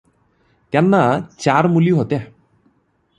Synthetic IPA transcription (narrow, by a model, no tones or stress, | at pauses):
t̪anːat͡ɕaɾmuljoɦot̪a